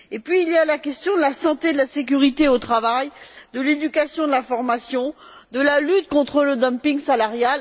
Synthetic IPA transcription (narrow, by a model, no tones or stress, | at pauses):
epɥiːljalakʲɛst̪jɔ̃d̪əlasɑ̃t̪ed̪əlasek̬ʲyʁit̪eot̪χavajd̪əled̪ykasjɔ̃d̪əlafɔʁmasjɔ̃ | d̪əlalyt̪kɔ̃t̪χələd̪ɔmpĩŋɡsalaʁjal